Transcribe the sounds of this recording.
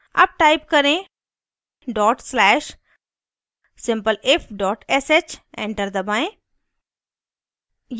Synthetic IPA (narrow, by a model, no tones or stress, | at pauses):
ɐ̰b̚ʈaːɪp̚kɐɾẽ | ɖɔːʈslɛːʃ | sɪ̃mpəlɪfʰɖɔːʈeset͡ʃḛ̃ɳʈəɾd̪ɐbaːẽ | j